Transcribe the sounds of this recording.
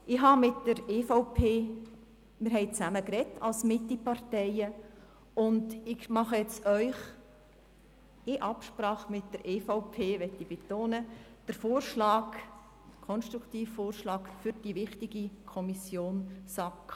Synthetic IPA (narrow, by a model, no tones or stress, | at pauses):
ʔɪɦɑmɪtd̥əɾeːfoʊpʰeː | mɪɾɦɛɪt͡sæməkɾɛtːɑlsmɪtːipɑrtɛɪə | ʊndɪkmɑχəjɛt͡sœʏχ | ɪʔɑpʃpɾɑːχmɪt̚d̥əɾʔeːfɔʊpʰeːʋɛtːib̥etoːnəd̥əɾfoːrʃlɑːk | kʰɔnʃtɾukʰtiːfːoːrʃlɑːkfʏɾd̥iʋɪχtɪɡikʰɔmisjoːnsɑk